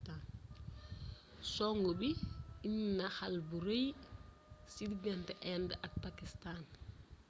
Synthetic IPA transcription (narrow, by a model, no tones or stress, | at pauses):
an | soŋɡobiiɲinaxalbuɾej | sidɡɛnteʔɛndak̚pakistaːn